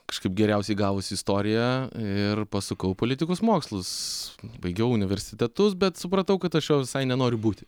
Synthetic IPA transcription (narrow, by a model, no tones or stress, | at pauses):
kɐ̥ʃkɐɪpɡʲɛɾʲɛʊsʲɛɪɡɑːʋʊsʲɪɪst̪oːɾʲɪjæɪrpɐsʊkɐʊpoːlʲɪt̪ʲɪkoːsmoːkslˠʊsbɐɪɡʲɛʊʊnʲɪʋʲɛɾʲsʲɪt̪ʲɛt̪ʊsbʲɛt̪sʊpɾɐt̪ɐʊkɐt̪ɐʃjoːʋʲɪsɐɪnʲɛnoːɾʲʊbuːt̪ʲɪ